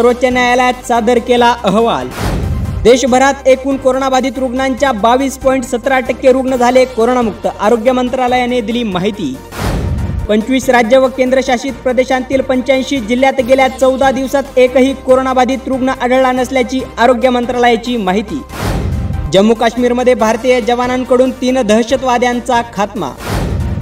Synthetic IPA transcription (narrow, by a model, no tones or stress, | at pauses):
əɾʋot͡ɕanjajaljat̪sad̪əɾkelaʔəɦʋa̰ld̪eɕəbʱəɾat̪ekuːnkoɾoɳabad̪ʱiːt̪ɾuɡɳaɲt͡ɕjabaʋiːspɔiɳʈsət̪ɾaʈəkːeɾuɡɳəd͡zʱalekoɾoɳamuk̚t̪əʔaɾoɡjəmənt̪ɾaləjaned̪iliːmaɦit̪ḭː | pəɲt͡ɕʋiːsɾad͡ʑjəʋəkend̪ɾəɕaɕiːt̪̚pɾəd̪eɕant̪iːlpəɲt͡ɕajɕiːd͡ʑiljat̪ɡeljat͡səwd̪ʱad̪iʋsat̪ekɦiːkoɾoɳabad̪iːt̪ɾuɡɳəʔaɽəɭɭanəsljat͡ɕiːaɾoɡjəmənt̪ɾaləjat͡ɕiːmaɦit̪ḭː | d͡ʑəmːukaɕmiːɾməd̪ʱːjebʱaɾt̪iːjəd͡ʑəʋanaŋkəɽuːnt̪iːnd̪ʱəɦɕət̪ʋad̪jant͡sakʰat̪ma̰